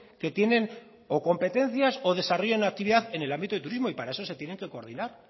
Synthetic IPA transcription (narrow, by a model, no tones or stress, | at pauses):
ke̞t̪je̞ne̞n | oko̞mpe̞t̪e̞n̟θjaso̞ðe̞saroʝenak̚t̪iβiðaθe̞ne̞lambit̪oet̪uɾizmo̞ipaɾae̞so̞se̞t̪je̞neŋke̞ko̞ɾðinaɾ